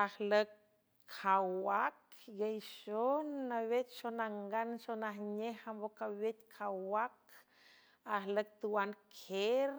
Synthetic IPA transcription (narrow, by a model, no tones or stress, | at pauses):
ahləkʰ | awakɡejʃonːawet̪̚ʃonaŋɡanʃonahɲehambokawet̪ʲkʰawwak | ahlək̚t̪uwankʰeɾ